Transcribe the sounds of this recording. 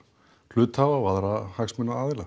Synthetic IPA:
lʏːt̪havavaðɾahaksmʏnːaaːðɪla

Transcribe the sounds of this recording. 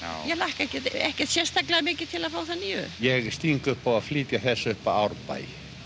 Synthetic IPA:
jɛlahkɛhcɛt̪ɛhcɛɾ̥t̪sjɛst̪aklaamɪːcɪt̪ʰɪlaðfaːwθanːiːʏ̰jɛɣst̪iŋkʏhpɔvaðfliːt̪jaθɛsːʏhpaawɾpa̰j

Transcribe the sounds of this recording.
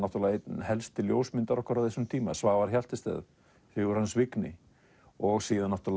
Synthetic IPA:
nat̪uɾlahɛlst̪ɪljoːwsmɪnt̪aɾɔhkvaɾawvθest̪ʰiːmasvaːɣvaɾ̥çjal̥t̪ɪst̪ɛ̰ːð | θɪɣʏɾhansvɪknɪ | ɔɣsiːðanaht̪ul

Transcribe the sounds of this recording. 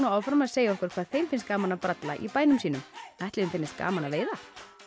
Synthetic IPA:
naaːwfɾamaðseːjaɔhkvɛɾ̥kʰvaːðθejmfɪnst̪kaːmanapɾat̪la̰ʔḭpaːjnʏmsiːnʏmɛjht̪lɪʏnfɪnːɪst̪̚ka̰ːmanaveːjða

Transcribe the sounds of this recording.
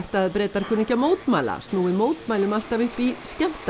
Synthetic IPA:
ht̪aðpɾɛːt̪aɾ̥kʰʏnɪcːamoːwt̪maːla̰st̪nuːɪmoːwt̪maːjlʏmal̥t̪avʏhpiscɛm̥t̪

